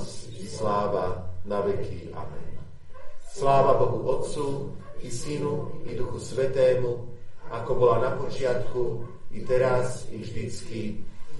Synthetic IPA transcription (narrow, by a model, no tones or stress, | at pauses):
sislaːʋanaʋɛkʰi | a̰mɛ̰n | slaːʋabɔɦuʔɔt̪t͡suisinuid̪uxusʋɛt̪ɛːmuakɔbɔlanapɔt͡ʃɪat̪kuit̪ɛɾasivʒd̪it͡ski